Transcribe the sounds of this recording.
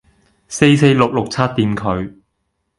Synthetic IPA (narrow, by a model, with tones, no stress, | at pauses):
se˧jse˧jlʊ˨k̚lʊ˨k̚t͡sʰɐ˥t̚t̪ːiː˧nkʰɵ˨˧ɥ